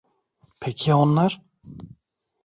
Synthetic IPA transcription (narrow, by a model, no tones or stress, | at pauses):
pʰɛkːaɔnːaɾ̥